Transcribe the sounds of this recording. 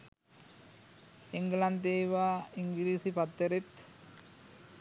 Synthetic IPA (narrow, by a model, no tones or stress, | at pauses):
iŋɡlant̪eːʋaːiŋɡiɾiːsipat̪ːəɾet̪